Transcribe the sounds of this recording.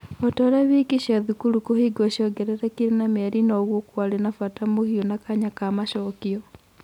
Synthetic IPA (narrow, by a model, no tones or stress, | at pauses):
ɔtɔɾaβikiɕiaðukulukohiɡɔʃɔɡɛɾɛɾakiɾenamɛɾinɔɣwokwaɾenafatamohionakaɲakamaʃɔkiɔ